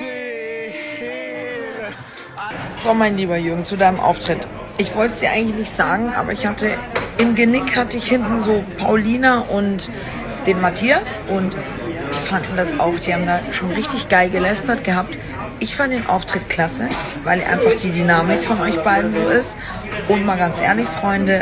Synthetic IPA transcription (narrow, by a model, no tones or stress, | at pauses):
z̥oːmaɪnliːbɐjʏɡŋ̩t͡sudaɪnəmʔa̰ʊftʁ̥ɪt | ʔɪçv̥ɔltəz̥iːɐʔaɪŋ̩lɪçnɪçtz̥aːɡŋ̩ʔa̰ːbɐ̰ɪçhatəʔɪmɡənɪkhatəɪçhɪntn̩zoːpʰaʊliːnaʔʊnt | d̥eːnmatʰiːasʔʊnt | d̥iːfandn̩dasa̰ʊxd̥iːhaːbm̩daːʃoːnʁɪçtɪçɡ̥aɪlɡəlɛstɐtɡ̥əhap̚t | ʔɪçfantd̥eːnʔa̰ʊftʁ̥ɪtkʰl̥asə | vaɪlɛ̰ʔa̰ɪnfaχd̥iːdynaːmɪkfɔnʔɔʏçb̥aɪdn̩zoːɪst | ʔʊntmaːlɡant͡sʔḛːɐlɪçfʁ̥ɔʏndə